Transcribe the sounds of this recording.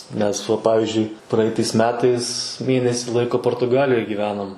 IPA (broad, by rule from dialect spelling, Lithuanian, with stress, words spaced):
nʲɛs ˈʋɐ ˈpɑːʋʲɪzʲd͡ʒʲʊɪ ˈprɐɪtɐɪs ˈmʲæːtɐɪs ˈmʲeːnʲɛsʲɪ ˈlˠɐɪkoː poːrtʊˈɡɑːlʲɪjoːj ɡʲiːˈʋʲæːnoːm